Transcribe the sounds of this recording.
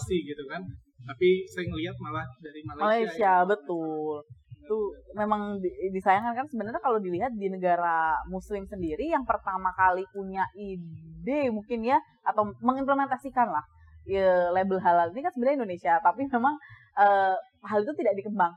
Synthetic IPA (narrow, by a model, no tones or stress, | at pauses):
siɡit̪ukan | t̪apisaɪŋəliat̪̚malahdaɾimalmalajsiabət̪ʊlt̪umemaŋdisajaŋkankansəbənərɲakalodiliɦat̪̚dinəɡaɾamuslɪmsəndiɾijaŋpərt̪amakalipuɲaʔidemuŋkɪnja | at̪awməŋimpləment̪asikanlah | əlebəlɦalalinikansəbənarɲaindonesiat̪apimemaŋ | ʔəː | ɦalit̪ut̪idaʔdikəmbaŋ